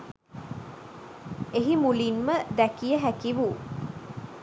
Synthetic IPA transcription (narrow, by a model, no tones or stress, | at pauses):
eɦimulinməd̪ækijəɦækiʋu